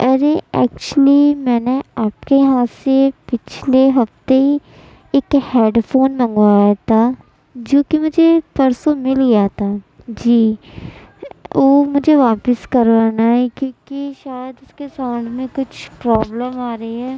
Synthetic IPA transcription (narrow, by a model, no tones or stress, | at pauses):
ɐɾeɛ̰ːk̚t͡ʃəlimɛːneaːpkejɐɦãsepɪt͡ʃʰleɦɐft̪eɦi | ekheːɖfʰoːnmə̃ŋɡʋaːjat̪ʰa | d͡ʒoːkimʊd͡ʒʱepɐɾsomɪlɡijat̪ʰaː | d͡ʒiː | oːmʊd͡ʒʱeʋaːpəskɐɾʋaːnaɦɛkjõːkiʃaːjəd̪ʊskesaʊɳɖmẽkʊt͡ʃʰpɾɔːbləmaːɾəiɦɛː